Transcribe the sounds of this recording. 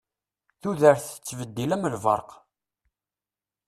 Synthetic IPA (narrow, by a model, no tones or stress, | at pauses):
θuðəɾθə̥t͡sːvəd̪ːilæməlvə̰ɾˤq